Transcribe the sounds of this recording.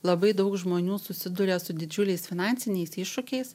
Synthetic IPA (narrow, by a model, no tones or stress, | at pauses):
lˠɐbɐɪd̪ɐʊkʒmoːnʲuːsʊsʲɪd̪ʊɾʲɛsʊd̪ʲɪd͡ʒʲʊlʲɛɪsfʲɪnɑnʲtsʲɪnʲɛɪsɪʃʃʊkʲɛɪs